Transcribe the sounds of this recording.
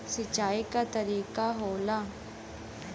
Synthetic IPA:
sət͡ʃːaːikat̪əɾiːkaɦoːlaː

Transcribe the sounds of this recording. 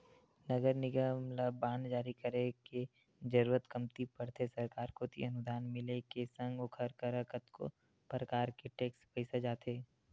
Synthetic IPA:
nɐɡəɾnɪɡəmlabaːnd͡ʒaːɾikəɾeke | d͡ʒɐɾuːɾət̪kɐmt̪ipɐɽt̪ʰesɐɾkaːɾkot̪ʰḭɐnʊd̪ʱaːnmɪlekesə̃ŋɡokʰəɾkəɾəkət̪ko̰ | pɾəkaːɾkeʈeːkspəɪsad͡ʒaːt̪ʰeː

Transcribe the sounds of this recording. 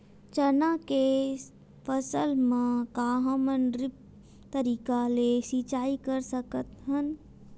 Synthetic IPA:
t͡ʃənake | pʰəsəlmãkaːɦəmənɾɪp̚ | t̪əɾiːkalesit͡ʃaːikəɾsəkət̪ɦən

